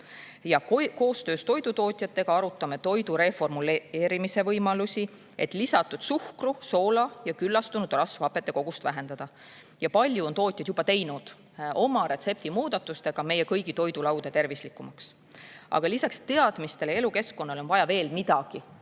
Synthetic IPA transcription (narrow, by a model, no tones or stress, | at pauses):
jɑko̞ːst̪ø̞ːst̪o̞jd̪ut̪o̞ːt̪ʲˑjɑt̪ˑːe̞ɡ̥ɑɑɾut̪ːˑɑme̞t̪o̞jd̪uɾe̞fo̞rmuleːɾimise̞vɤjmɑlusʲi | e̞t̪ːˑlisɑt̪ːˑud̪̥suhkruso̞ːlɑjɑkylːɑst̪unud̪rɑsvɑpːˑe̞t̪ːˑe̞ko̞ɡ̥ust̪væ̰ɦe̞nd̪̥ɑd̪̥ɑ | jɑpɑlʲjuo̞nt̪o̞ːt̪ʲjɑd̪̥jub̥ɑt̪e̞jnud̪̥ | o̞mɑɾe̞t̪se̞p̚t̪imuːd̪̥ɑt̪ːˑust̪e̞ɡ̥ɑme̞jːekɤjɡit̪o̞jd̪ulɑwd̪et̪e̞rvislikːˑumɑks | ʔɑ̰ɡ̥ɑlisɑkst̪e̞ɑd̪̥mist̪e̞leeluke̞skːˑo̞nːɑlo̞nvɑjɑve̞ːlmid̪̥ɑɡ̥i